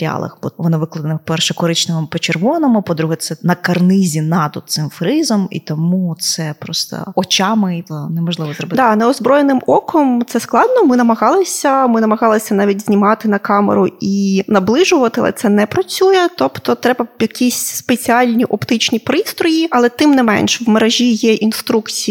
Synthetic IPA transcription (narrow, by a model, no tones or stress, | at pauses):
ɾʲɪa̰lˠɐ̰xbuʋɔnɪʋɪklˠɐd̪ɐnɪpɛrʃɛkɔɾɪt͡ʃnɪmɪpɔt͡ʃerʋɔnɐmɪpɔd̪ɾuɦɛt̪sɛnɐkɐrnɪzʲinɑd̪ɔt̪sɪmfɾɪzɐmḭt̪ɔmut̪sɛpɾɔst̪ɐ̰ɔt͡ʃɑmɪnɛmɔʒlˠɪʋɔzɾɔbɪd̪ɑnɛɔzbɾɔjenɪmɔkʰɔmt̪sɛsklˠɑd̪nɔmɪnɐmɐɦɑlˠɪsʲɐmɪnɐmɐɣɑlˠɪsʲɐnɑʋʲitʲzʲnʲimɑt̪ɪnɐkɑmḛɾʊinɐblˠɪʒʊʋɐt̪ɪɐ̰lˠɛ̰t̪sɛnɛpɾɐt͡sʲujɛt̪ɔpt̪ɔt̪ɾɛbɐjɐkʲisʲspet͡sʲiɑlʲnʲiʔɔpt̪ɪt͡ʃnʲipɾɪst̪ɾɔjiɐlˠɛt̪ɪmnɛmɛ̰nʃɛwmeɾɐʒʲijɛʔinst̪ɾukt͡sʲi